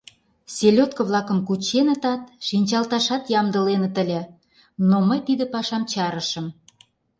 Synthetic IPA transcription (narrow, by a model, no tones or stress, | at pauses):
sʲelʲot̪kə̆βlˠɑkə̆mkut͡ɕenə̆t̪ɑt̪̚ʃinʲt͡ɕɑlt̪ɑʃɑt̪jɑmd̪ə̆lenə̆t̪ə̆lʲĕ | noməjt̪id̪ə̆pɑʃɑmt͡ɕɑɾə̆ʃə̆m